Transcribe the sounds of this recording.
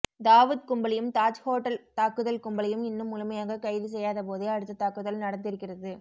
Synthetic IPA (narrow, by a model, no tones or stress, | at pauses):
d̪aːʋɯðkʊmbɐlɐjɯmt̪aːt͡ʃhoːʈːɐlt̪aːkːɯðɐlkʊmbɐlɐjɯmɪnːɯmʊlɯmɐjaːɣɐkɐɪðɯs̬ɛjːaːðɐp̬oːðeɐɽɯt̪ːɐt̪aːkːɯðɐlnɐɽɐnd̪ɪɾɯkːɪrɐðɯ